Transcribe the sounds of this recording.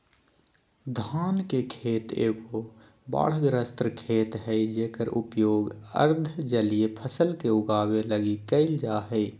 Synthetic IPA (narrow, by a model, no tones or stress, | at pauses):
d̪ʱaːnkekʰeːt̪ḛːɡo | ba̰ːɽ̤ɡ̪ɾəst̪ɾəkʰeːt̪ɦɛid͡ʒeːkəɾʔʊ̰pjoːɡə̰ɾd̪ʱd͡ʒəliepʰəsəlkeʊɡaːweləɡikəɪld͡ʒaːɦɛ